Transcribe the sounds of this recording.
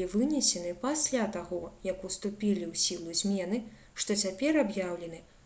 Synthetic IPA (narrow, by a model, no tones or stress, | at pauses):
lʲivɨnʲɛsʲɛnɨpasʲlʲat̪aɣɔjɐkust̪upʲilʲiwsʲilˠuzʲmʲɛnɨ | ʂt̪ɔt͡sʲapʲɛrabjawlʲɛnɨ